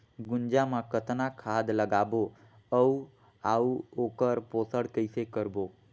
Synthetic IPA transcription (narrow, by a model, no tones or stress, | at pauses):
ɡʊnd͡ʒamãkət̪nakʰad̪ləɡabo | əu | auokəɾposəɽkəɪsekəɾbo